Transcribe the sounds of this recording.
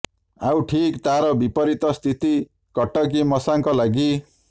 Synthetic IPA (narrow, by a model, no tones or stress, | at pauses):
awʈʰikt̪aɾʌbipʌɾit̪ʌst̪ʰit̪i | kʌʈːʌk̬imʌsaŋkɔlaɡi